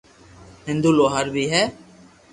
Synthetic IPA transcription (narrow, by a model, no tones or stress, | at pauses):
ɦɪ̃nd̪uːloːɦəɾbʱiːɦɛː